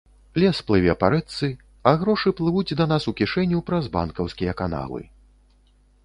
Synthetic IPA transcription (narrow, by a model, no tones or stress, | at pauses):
lʲɛsplˠɨvʲɛpaɾɛt̪sɨ | ɐɣɾɔʂɨplˠɨvud͡zʲd̪ɐn̪asukʲiʂɛnʲːupɾɐzba̰nkɐwskʲijɐkana̰lˠɨ̰